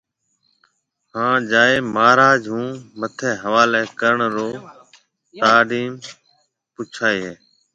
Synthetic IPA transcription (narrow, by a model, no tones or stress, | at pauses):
hãːd͡ʒaːeːmaːɾaːd͡ʒɦũːmət̪ʰeːɦəʋaːleːkəɾəɳɾoː | t̪aːɖiːm | pʊt͡ʃʰaːeːɦeː